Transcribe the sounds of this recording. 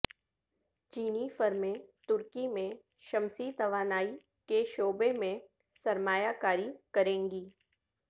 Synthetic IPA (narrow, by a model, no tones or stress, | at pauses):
t͡ʃiːnifəɾmẽt̪ʊɾkimẽ | ʃɐmsit̪ɐʋaːnaːi | keʃoːbemẽ | sɐɾmaːjakaːɾikɐɾẽːŋɡiː